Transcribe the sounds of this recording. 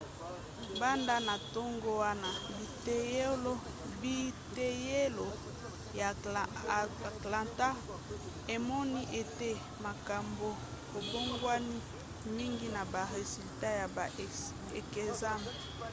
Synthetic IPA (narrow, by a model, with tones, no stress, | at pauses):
ba˦nda˦na˨to˦ŋɡo˦wa˦na˨bi˨te˦je˦lo˦ | bi˦te˦je˦lo˨ | ja˨ | kla˨nta˦ | e˨mɔ˦ni˦ʔe˨te˦ | ma˨ka˨mbo˨ | ko˨bo˦ŋɡwa˦ni˦ | mi˦ŋɡi˦na˨ba˨ʁe˨zi˨lta˦ja˨ | e˨ke˨za˦mbe˨